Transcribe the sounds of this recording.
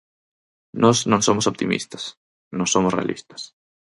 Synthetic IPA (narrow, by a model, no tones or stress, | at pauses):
nɔsnõŋsomosop̚t̪imḭst̪ɐ̥s | nõsomʊsrḛa̰lʔḭst̪ɐ̥s